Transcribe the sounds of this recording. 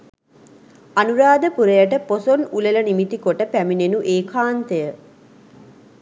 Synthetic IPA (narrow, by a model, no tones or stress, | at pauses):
anuɾaːd̪əpuɾəjəʈəposonulelənimit̪ikoʈəpæminenuʔeːkʰaːnt̪əjə